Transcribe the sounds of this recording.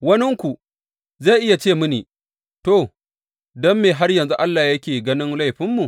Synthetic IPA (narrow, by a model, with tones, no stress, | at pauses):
wɐ˦nɪ˦ŋkʷu˨ | zaː˦˨ʔɪ˦ja˨t͡ʃeː˦˨mʊ˦niː˨ | toː˦˨ | dɔ˦mːeː˨ɦa˦rjɐ˨nzu˦ʔa˦lːaː˨jɐ˦kʲeː˨ɡɐ˦nɪ˦ŋla˦˨jɸɪ˦mːu˨